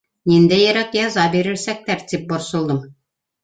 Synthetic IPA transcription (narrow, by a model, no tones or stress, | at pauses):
nʲind̪æjæɾækjɑzɑbeɾɘ̆ɾsæk̚t̪æɾt̪ip̚bŏɾsɤ̆lˠd̪ɤm